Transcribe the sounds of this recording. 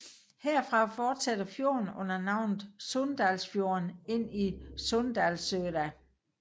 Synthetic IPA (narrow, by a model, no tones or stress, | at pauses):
heɐ̰fʁɑ̈fɒːd̥sæd̥ɐfjo̝̰ːɐn̩ɔ̽n̰ɐnɑ̈ʊ̰nð̩ˠsɔnd̥ælsfjo̝ːɐne̝n̰isɔnd̥ælsøːɾ̥æ